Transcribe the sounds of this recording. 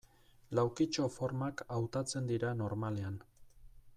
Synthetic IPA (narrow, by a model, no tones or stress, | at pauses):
lawkit͡ʃo̞fo̞ɾmakawt̪at͡se̞nd̪iɾano̞ɾmale̞an